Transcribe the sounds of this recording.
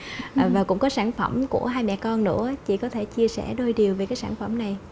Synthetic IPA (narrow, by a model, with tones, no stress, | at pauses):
ʔːvaː˨˩kʊ̰˧˥ŋ͡mkɔ˨˦saː˧˩nfə˧˩mkṵ˧˩əɦaː˧jmɛ̰˧˨kɔ˧nːɨ̰˧˥ət͡ɕḭ˧˥kɔ˨˦t̪ʰe˧˩t͡ɕi˧əsɛ̰˧˩ɗo˧jɗi˨˩əwve˨˩kaː˨˦jsaː˧˩nfə˧˩mna˨˩j